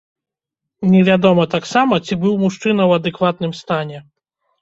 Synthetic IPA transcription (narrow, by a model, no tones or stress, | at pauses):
nʲɛvʲad̪ɔmɐt̪aksamɐt͡sʲibɨwmuʂt͡ʂɨnɐwɐd̪ɛkvat̪̚nɨmst̪anʲɛ